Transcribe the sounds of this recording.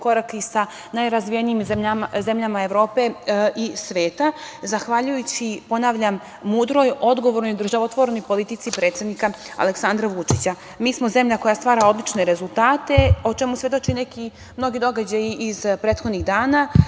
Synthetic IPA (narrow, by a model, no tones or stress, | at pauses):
ko̞ɾakisa | najɾazʋijeniːmzemaze̞mʎamaeʋɾo̞ːpe̞ʔisʋe̞ːt̪azaxʋaʎujut͡ɕipo̞naʋʎamː | uːd̪ɾo̞jo̞d̪ɡo̞ʋoɾnojd̪r̩ʒaʋot̪ʋoɾeno̞jpo̞lit̪it̪sipɾet̪sed̪nikaa̰leksand̪ɾaʋut͡ʂit͡ɕa | miːsmo̞ze̞mʎako̞jast̪ʋaːɾao̞d̪lit͡ʃne̞ɾe̞zulˠt̪aːt̪e̞o̞t͡ʃemusʋe̞d̪o̞t͡ʃineki | mno̞ɡid̪o̞ɡad͡ʑajiːzpɾeːt̪xo̞d̪niɣd̪aːna